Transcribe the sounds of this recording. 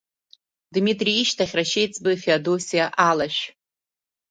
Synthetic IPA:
dmitʼriiʃtʰaχʲraʃejt͡sʰʼbɨfeadosijaʔalaʃᶣ

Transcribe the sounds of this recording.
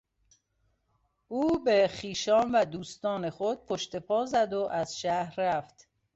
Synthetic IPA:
ʔuːbexiːʃɒːnvæd̪uːst̪ɒːne̞χod̪̥̚pʰoʃt̪e̞pʰɒːzæd̪o̞ʔæz̥ʃæhɾːæft̪

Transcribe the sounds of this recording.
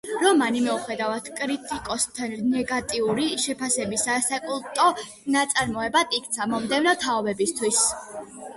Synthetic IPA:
ɾɔmanimɛuχɛd̪avat̪ʰkʼɾit̪ʼikʼɔst̪ʰannɛɡat̪ʼiuɾiʃɛpʰasɛbisasakʼulˠt̪ʼɔ | nat̪sʼaɾmɔɛbad̪ik̚ʰt̪sʰamɔmd̪ɛvnɔt̪ʰaɔbɛbist̪ʰwis

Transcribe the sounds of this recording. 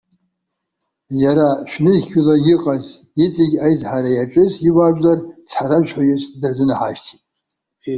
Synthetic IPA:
jaɾaʃʷᶣnɨzʲulaɡʲɪqʼaz | it͡sʼɪɡʲajzħaɾajaʈ͡ʂʼɨziwaʒʷlart͡sʰħaɾamʒʷħajɪsʼdɨrzɨnɨħaʃtʰitʼ

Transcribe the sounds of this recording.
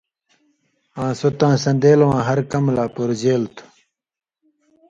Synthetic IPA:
ãːsot̪ãːsɐ̃nd̪eːlwãːɦɐɾkɐmlaːpoɾd͡ʑeːlt̪ʰu̥

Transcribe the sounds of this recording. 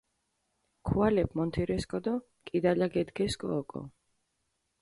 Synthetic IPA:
kʰualɛpʰmɔnt̪ʰiɾɛskʼɔd̪ɔ | kʼid̪alaɡɛd̪ɡɛskʼɔːkʼɔ̰

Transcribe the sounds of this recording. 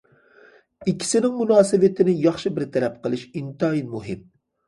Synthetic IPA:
ikʲʰːi̥sɪnɪŋmunɑːsɨvɪt̪ʰɪnɪjɑχʃibɪɾt̪ʰɛɾɛp̚qʰəlˠɨʃint̪ɑjinmuɦɪm

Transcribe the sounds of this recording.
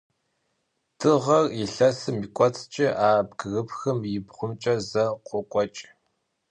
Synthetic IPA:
tʰɨʁɐriɬɐsɨmikʷʼɔt͡sʰʼt͡ʃʼɪʔaːbɡɨɣɨpxɨmjɪbχʷʊmt͡ʃʼɐzɐqʷɔkʷʼɔt͡ʃʼ

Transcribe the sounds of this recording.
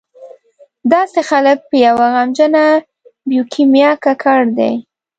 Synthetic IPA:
d̪ɑsexalək̚pəjawaɣamd͡ʒəna | bjukʰimjɑkakʰaɽd̪ḛj

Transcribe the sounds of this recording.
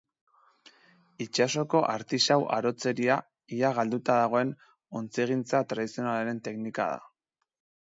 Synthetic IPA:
it͡ʃaso̞ko̞ʔaɾt̪isawʔa̰ɾo̞t͡se̞ɾia | iaɣald̪ut̪aðaɣ̞o̞e̞n | o̞nt͡siɣ̞int͡sat̪ɾaðisio̞nalaɾe̞nt̪e̞knika̰ð̞a̰

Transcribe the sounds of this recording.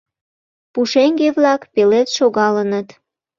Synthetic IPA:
puʃeŋɡeβlɑkpelet̪ʃoɣɑlənət̪

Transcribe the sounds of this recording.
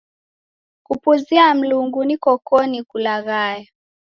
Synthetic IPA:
kupuziam̩luŋɡunikɔkɔnikulaɣajɛ

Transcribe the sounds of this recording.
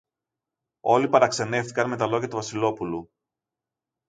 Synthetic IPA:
o̞lipɐɾɐkse̞ne̞ft̪i̥kɐnme̞t̪ɐlo̞ʝɐt̪uvɐsilo̞pulu

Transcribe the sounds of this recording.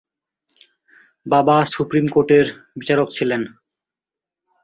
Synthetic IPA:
babasupɾimkoɾʈeɾbit͡ɕaɾokt͡ɕʰilen

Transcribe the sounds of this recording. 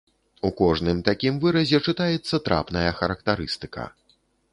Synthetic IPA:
ukɔʐnɨmt̪akʲimvɨɾɐzʲɛt͡ʂɨt̪ajɛt̪sːɐt̪ɾʔa̰pnɐjɐxɐɾɐkt̪aɾɨst̪ɨ̥kɐ̰

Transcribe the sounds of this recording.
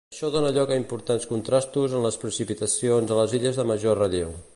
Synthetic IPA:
əʃɔðonəʎɔkəimpuɾt̪anskunt̪ɾast̪uzənləspɾəsipit̪əsionzələziʎəzðəməʒorəʎio̰

